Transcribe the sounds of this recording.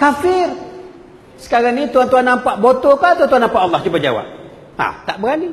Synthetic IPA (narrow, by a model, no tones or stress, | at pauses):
kafɪr | sə̥kaɾaŋnit̪uant̪uɦanːampaʔbot̪okat̪uant̪uanampaʔɑlːɑht͡ʃubad͡ʒa̰wa̰p̚ | a̰t̪aʔbəɣani